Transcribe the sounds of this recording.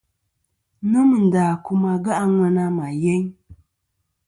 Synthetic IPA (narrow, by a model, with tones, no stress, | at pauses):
nu˦m˨n̩˨daː˨ku˦ma˦ɡa˦ʔa˦ŋʷɛ˦na˦ma˨jɛ˦ɲ